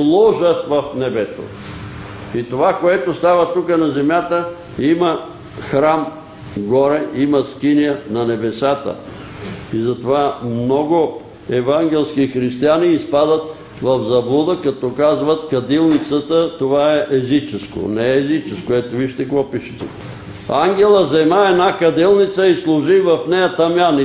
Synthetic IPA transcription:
lˠɔʒət̪vɐfnɛbɛt̪o̰ | it̪ovakoɛt̪ost̪avət̪ukənɐzɛmjat̪ə | imɐ | xɾam | ɡɔɾɛimɐskinʲiənɐnɛbɛsat̪ə̰ | izɐt̪ovamnɔɡo | ɛvaŋɡʲɛlˠskixɾist̪ianiːspad̪ət̪ | vɐvzɐbud̪əkɐt̪ɔkazvət̪kɐd̪ilˠnit̪sət̪ət̪ovaɛʔɛzit͡ʃɛsko̰nɛːzit͡ʃɛskoɛt̪oviʃt̪ɛkvɔpiʃɛ̥t̪ɛ | aŋɡʲɛlˠəzɛmaɛnakɐd̪ilˠnit̪səislˠʊʒivɐfnɛjɐt̪ɐmjani

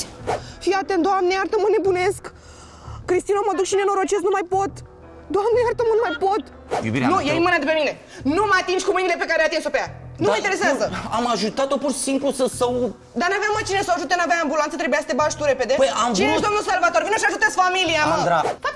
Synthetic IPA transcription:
fiat̪end̪oamneart̪əməne̞bune̞skː | ɾist̪inomad̪ukʃinenoɾot͡ʃesnumajpot̪ | d̪oamneart̪əmənumajpot̪ | jṵbḭɾ̰nujeimɨnad̪epe̞mine̞ | numəat̪ind͡ʒkumɨjnile̞pe̞kaɾeat̪insopejanuməĩnt̪eɾe̞s̬eazəamaʒut̪at̪opurʃi̥simplusəsaw | d̪anaveammat͡ʃinesawaʒut̪̬enavjaambulant̪ət̪ɾebujasə̥t̪ebaʃt̪uɾe̞pe̞d̪e̞pəjamt͡ʃied̪omnulsalvat̪oɾvinəʃiaʒut̪eskfamiliaməd̪a

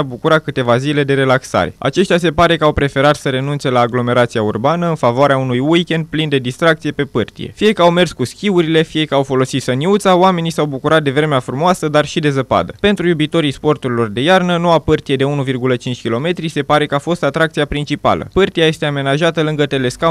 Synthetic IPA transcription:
abukuɾakɨt̪e̞vazile̞d̪e̞ɾe̞laksa̰ɾe̞a̰t͡ʃe̞ʃt̪ʲase̞paɾe̞kəawpɾe̞fe̞ɾat̪səɾe̞nunt̪se̞laːɡlo̞me̞ɾat̪siaurbanəɨnfavoaɾeaunujujkʲe̞nd̪̚plind̪e̞d̪ist̪ɾak̚t̪sije̞pe̞pɨrt̪ijḛfije̞kəawme̞rskuskʲiuɾile̞fije̞kəawfo̞lo̞sit̪səniut̪sawame̞nisawbukuɾat̪̚d̪e̞vɾe̞meafɾumoasəd̪arʃid̪e̞zəpa̰d̪əpe̞nt̪ɾujubit̪o̞ɾijspo̞rt̪uɾilo̞rd̪e̞jarnəno̞wapɨrt̪ije̞d̪e̞unuvirɡulət͡ʃint͡ʃkʲilo̞me̞t̪ɾise̞paɾe̞kəafo̞st̪at̪ɾakt̪siapɾint͡ʃipa̰lə̰pɨrt̪ijaje̞st̪e̞ame̞naʒat̪əlɨŋɡət̪e̞le̞ska

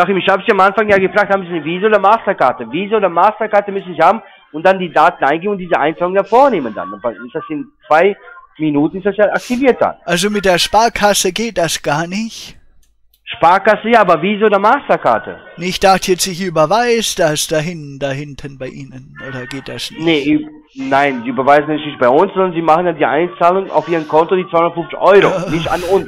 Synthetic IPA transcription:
aχɪmɪçhaːbəziamʔanfaŋjaːɡəfʁ̥aːkthaːm̩zinviːzəoːdɐmaːstɐkaːɐtəviːzooːdɐmaːstɐkaɐtəmʏsn̩ziçhaːbm̩ | ʊnt̚d̥andiːdaːtn̩ʔaɪnɡeːənʊntd̥iːzəʔa̰ɪnfaːlʊŋndafoːɐneːmənda̰nabaɪstd̥asɪnt͡sv̥aɪminuːtn̩ɪstd̥asjaʔak̚tiviːɐt̚d̥a̰nʔalzomɪt̚d̥eːɐʃpaːɐkʰasəɡeːt̚d̥asɡ̥aːɐnɪçt | ʃpaːɐkasəjaːaːbɐviːzəoːdɐmaːstɐka̰ɐtə̰nɪçd̥axtjɛt͡stɪçʔyːbɐvaɪsd̥asd̥aɦɪndaɦɪntʰənbaɪʔiːnənʔoːdɐɡeːt̚d̥asnɪnə | naɪnziːbəvaɪznɛnɪçnɪçt̚b̥aɪʊnszɔndɐnziːmaχən̩jaːdiːʔa̰ɪnt͡saːlʊŋa̰ʊfʔiːʁənkʰɔntodiːt͡svaɪʊndətfʊft͡sɪ̥çʔɔʏʁonɪçtanʊns

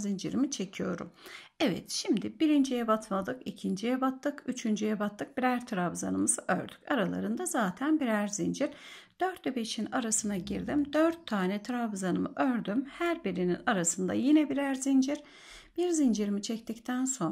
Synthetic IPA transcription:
zind͡ʒiɾimit͡ʃʰe̞cʰijo̞̰ɾṵmɛvɛ̰t̪ʃimd̪ibiɾind͡ʒijɛbat̪ʰmalˠɯkicʰind͡ʒijɛbat̪ʰːɯkʰyt͡ʃʰynd͡ʒyjɛbat̪ʰːɯk̚b̥iɾæɾt̪ʰɯɾabza̰nɯmɯzɯʔø̰ɾd̪y̥caɾalˠa̰ɾɯnd̪azaːt̪ʰænbiɾæɾzind͡ʒiɾd̪̥øɾt̪ebeʃinaɾasɯnaɟiɾd̪imd̪øɾt̪ʰːaːnɛt̪ʰɾabzanɯmɯ̰ʔøɾd̪ymhæɾbiɾininaɾasɯnd̪a̰jinɛbiɾæɾzind͡ʒiɾ | b̥iɾzind͡ʒiɾimit͡ʃʰɛct̪ʰict̪ʰænso̞n

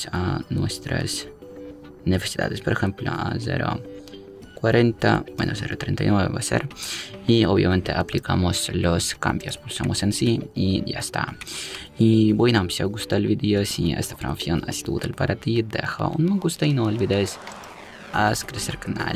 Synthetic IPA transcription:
sanwest̪ɾa̰s | nefesid̪a̰ðespoɾexemplo̰azeɾo̰ | kwaɾent̪awḛnoseɾot̪ɾent̪ajnweβebaseɾiobjamẽnt̪eʔaplikamosloskambjospoɾsomosensiijast̪a | ibojnamsjaɡust̪albid̪eosiḛst̪afɾamafjonasi̥t̪ṵt̪alpaɾat̪id̪exa̰ʔunmaɡust̪ainoelbid̪es | askɾeseɾkanal

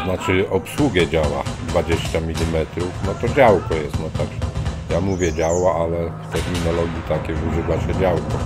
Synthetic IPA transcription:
nat͡ʂɨʔɔpswuɡʲjɛd͡ʑawa̰d̪vad͡ʑɛɕt͡ɕamʲilʲimɛt̪ɾufnɔt̪ɔd͡ʑawkɔjɛst̪nɔt̪aɡʐɛjamuvʲjɛd͡ʑawaʔalɛft̪ɛɾmʲinɔlɔɡʲjit̪akʲɛuʐɘvaɕɛd͡ʑawkɔ

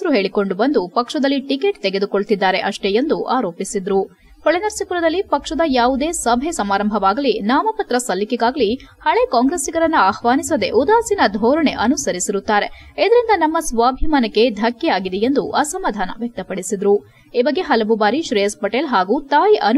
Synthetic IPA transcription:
ɾuɦe̞ːɭiko̞ɳɖubɐnd̪upɐkʂɐd̪ɐlːiʈikeʈt̪eɡe̞d̪uko̞ɭt̪id̪ːaːɾe̞ʔɐʂʈe̞jend̪uʔaːɾo̞ːpisid̪ɾu | hoɭenɐɾsikuɾɐd̪ɐlːipɐkʂɐd̪ɐjaːʋud̪e̞ːsɐbʱesɐmaːɾɐmbʱɐʋaːɡɐlinaːmɐpɐt̪ɾɐsɐlːikiɡaːɡɐlihɐɭekaːŋɡɾeːsiɡɐɾɐnːuaːhʋaːnisɐd̪e̞̰ʔud̪aːsinɐd̪ʱɔːɾɐɳe̞ʔɐnusɐɾisiɾut̪ːaːɾe̞ | id̪ɐɾind̪ɐnɐmːɐsʋaːbʱimɐnɐkːe̞d̪ʱɐkːɛjaːɡid̪ejend̪uʔɐsɐmaːd̪ʱaːnɐ̰ʋjɐk̚t̪ɐpɐɽisid̪ɾu | iːbɐɡːe̞ɦɐlɐʋubaːɾiʃɾejspɐʈeːlɦaːɡut̪aːjiʔɐn

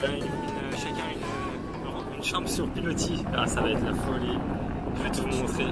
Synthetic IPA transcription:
bɛ̃y | yn | ʃakʲɛ̃ynə̃ | ynʃɑ̃bsyʁpilot̪ʰia̰savaɛt̪lafɔli | vøt̪umɔ̃t̪χe

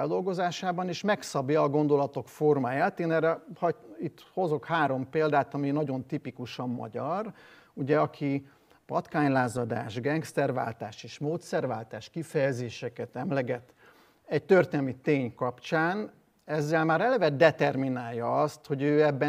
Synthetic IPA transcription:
ɛld̪o̞lɡo̞zaːʃaːbɒneːʃmɛksɒbjɒːɡo̞nd̪o̞lɒt̪o̞kfo̞rmaːjaːt̪eːnɛrɛhɒit̪ːho̞zo̞khaːɾo̞mpeːld̪aːt̪ɒminɒɟo̞nt̪ipikuʃɒmːɒ̰ɟɒr | uɟɛɒkʰi | pɒt̪kaːɲlaːzɒd̪a̰ːʒɡɛŋksɛrva̰ːlt̪aːʃeːʃmoːt̪sɛrva̰ːlt̪aːʃkifɛjɛzeːʃɛkɛt̪ɛmlɛɡɛt̪ː | ɛc̚t̪ørt̪eːnɛmit̪eːɲkɒpt͡ʃaːn | ɛzːɛlmaːɾɛlɛvɛd̪ɛt̪ɛrminaːljɒɒst̪ho̞ɟøːɛbːɛ

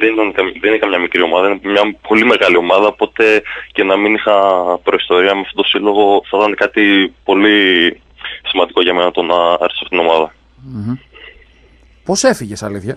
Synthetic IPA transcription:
ðenit̪ɐnkɐmðenixɐmɲɐmikɾio̞mɐðɐinmɲɐpʰo̞lime̞ɣɐlio̞mɐðɐopo̞t̪e̞ce̞nɐminixɐpɾo̞ist̪o̞ɾiɐmeft̪o̞t̪osilo̞ɣo̞θɐt̪ɐnekɐt̪ipo̞li | simɐnd̪iko̞ʝɐmenɐt̪o̞nɐɐ̰ɾesɐft̪it̪ino̞mɐðɐ | po̞se̞fiʝesɐliθçɐ

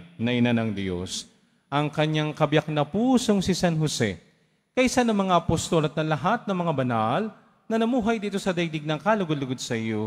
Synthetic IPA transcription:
nɐʔɪnanɐŋd̪jo̰s | ʔɐŋkɐɲːaŋkɐbjak̚nɐpuːso̞ŋsɪsanɦosɛ̰ | kɐʔsanːɐŋmɐŋaʔɐpost̪o̞lɐt̪̚nɐlɐɦat̪̚nɐŋmɐŋabɐnal | nɐnɐmuːɦɐjd̪iːt̪o̞sɐd̪ɐjd̪ɪɡ̚nɐŋkaːlʊɡod̪lʊɡod̪sɐʔɪjo

